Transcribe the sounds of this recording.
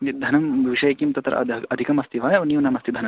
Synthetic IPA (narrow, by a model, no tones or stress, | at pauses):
id̪ʱɐnɐmbʱɐʋiʃɐjɐkimt̪ɐt̪ɾɐ̰ɐɐd̪ʱikɐmɐst̪ʰiʋaːjɐʋɐniːwnɐmɐst̪ʰid̪ʱɐnɐ